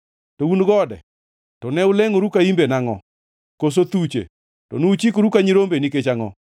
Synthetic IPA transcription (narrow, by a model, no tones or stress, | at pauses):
tounɡɔdɛ̰ | tɔnɛʊleŋoɾukaimbenaŋɔ̰ | kos̬ot̪ut͡ʃḛ | tɔ̰nut͡ʃikoɾukaɲiɾombenɪket͡ʃaŋɔ̰